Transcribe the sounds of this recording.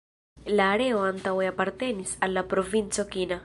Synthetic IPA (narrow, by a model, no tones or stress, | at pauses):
laːɾe̞o̞ant̪aweapaɾt̪e̞nisalːapɾo̞vint͡so̞kina